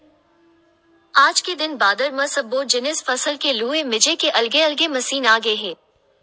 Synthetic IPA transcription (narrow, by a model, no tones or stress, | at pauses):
aːd͡ʒked̪ɪnbaːd̪əɾmɐsɐbːoːd͡ʒɪnɪsfɐsəlkeluːemɪd͡ʒekeʔɐlɡeɐlɡemɐsiːnaːɡɐeɦɛ̃ː